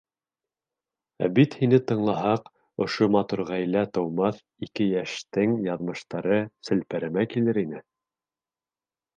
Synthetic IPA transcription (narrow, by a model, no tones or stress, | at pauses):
æ̰bit̪hinɘt̪ɤ̆ɴlˠɑɦɑq | ŏʃomɑt̪uɾʁæjlæt̪ɤ̆wmɑθ | ikɘjæʃt̪ɘŋjɑðmɤ̆ʃt̪ɑɾɤsɘ̆lpæɾɘ̆mækilɘɾinɘ